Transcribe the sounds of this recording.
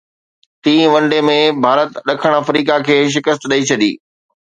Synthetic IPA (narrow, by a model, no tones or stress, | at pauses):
t̪ĩːʋɐ̃ɳɖemẽbʱaːɾət̪ɗɐkʰəɽ̃ɐfɾiːkakʰeːʃ̬ɪkəst̪ɗɐit͡ɕʰɐd̪ḭː